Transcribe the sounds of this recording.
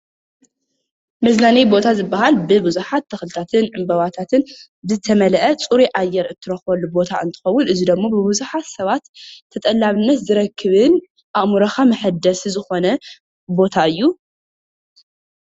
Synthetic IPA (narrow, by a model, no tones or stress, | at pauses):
mɐzlanijbo̞t̪ʰazɨbːaɦalbɨbɨzuħat̪ʰːɐxlɨt̪ʰat̪ʰɨnʕɨmbɐβat̪ʰat̪ʰɨn | bɨzɨt̪ʰɐmɐlʔɐt͡sʼuɾiʔajːɛɾɨt̪ʰːɨɾɐxβɐlːubo̞t̪ʰa̰ʔɨnt̪ʰɨ̥xɐwːʊnʔɨzid̪ɐmːobɨbuzuħat̪sɐβat̪ʰː | ɐt̪ʼɐlːaβɨnːɐt̪zɨɾɐkʰːɨβɨn | ʔaʔmuɾɐxamɐħɨd̪ɐszɨxo̞nɐ | bo̞t̪ʰaʔɨjːu